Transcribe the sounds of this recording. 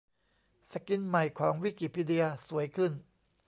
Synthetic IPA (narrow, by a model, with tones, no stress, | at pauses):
sa˧˩ki˧nma˨˩jkʰɔː˩˦ŋwi˦˥˩ki˨˩pʰi˧di˧ɐsu˩˦əjkʰɯ˥˩n